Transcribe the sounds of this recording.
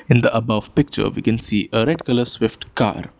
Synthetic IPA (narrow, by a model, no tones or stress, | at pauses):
ɪ̃nd̪əʔɐbʌʋpɪk̚t͡ʃə̰ɾʋḭkɛ̃nsiːʔəɾɛɖkələswɪfʈka̰ːɾ